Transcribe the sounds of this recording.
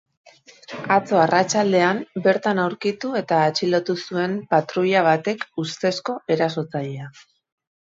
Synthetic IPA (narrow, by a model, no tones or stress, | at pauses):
at͡so̞arat͡ʃald̪e̞ambe̞ɾt̪anawɾkit̪ue̞t̪aːt͡ʃilo̞t̪usue̞mpat̪ɾuʎaβ̞at̪e̞kust̪e̞sko̞e̞ɾaso̞t͡saʎea